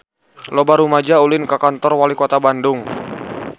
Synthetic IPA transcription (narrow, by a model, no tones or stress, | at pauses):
lɔbaɾumad͡ʒaulɪnkakant̪ɔrwalikɔt̪abandʊŋ